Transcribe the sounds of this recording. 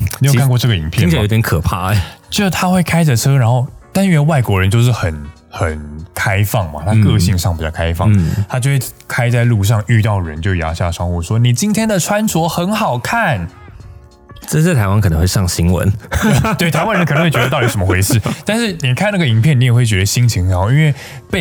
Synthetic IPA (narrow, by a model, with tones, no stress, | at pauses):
n˨˧˥jo˨kʰa˨˧kɔ˥˧ʈ͡ʂɤ˥˩ɡə˩i˧˦ŋpʰjo˨˥t̪ʰʲkʰɤ˨˩pʰa̰˥˩t͡ɕjo˥˧˥t̪ʰa˥xwe˥˩ɪkʰa˥ɪd͡zə˨ʈ͡ʂʰɤ˥ɻa˧˥nxo˥˩ʊt̪a˥nɥɛ˧˥nwa˥˩ɪkwɔ˧˥ɻə˧˦nt͡ɕjo˥˧ʊʂ̬ɻ̩˥˩xə˨˩n | xə˨˩nkʰa˥ɪfɑ˥˩ŋma̰˩t̪ʰa˥kɤ˥˧ɕi˥˧ŋʂɑ˥˩ŋpi˨˩t͡ɕɑ˥˩kʰa˥ɪfɑ˥˩ŋt̪ʰa˥t͡ɕjo˥˧ʊxwe˥˩ | kʰa˥ɪt͡sa˥˧ɪlu˥˧ʂ̬ɑ˥˧ŋy˥˧t̪ɑ˥˩ʊɻə̰˧˦nt͡ɕjo˥˧ʊja̰˧˥ɕja̰˥˩ʂɑ˥ŋxu˥˩ʂwɔ˥ni˨˩t͡ɕi˥nt̪ʰjɛ˥nd̪ə˨ʈ͡ʂʰwa˥nt͡sʰwɔ˧˥xə˧˥nxɑ˨˩ʊkʰa˥˩n | ʈ͡ʂə˥˧s̩˥˩t̪ʰa˧˥ɪwa˥nkʰnə˧˦ŋxwe˥˧ʂɑ˥˩ŋɕi˧˥ŋwə̰˧˦nwe˥˩ɪt̪ʰa˧ɪwa˥nɻə˧nkə˨˩n˧˥wt͡ɕɛ˧d̪t̪ʊji˥˩ʂə˧˦m˥˧xwe˧˥ɪʂɻ̩˥˩t̪a˥˧nʂɻ̩˥˩ni˨˩kʰa˥˧na˥˩ɡə˩i˧˥ŋpʰjɛ˥˩ni˧˥jwe˥˩ɪt͡ɕɥɛ˧˦d̪ə˧ɕi˥ŋt͡ɕʰi˧ŋɻa˧˥nxo˥˧ʊi˧˥nwe˥˧ɪ | pe˥˩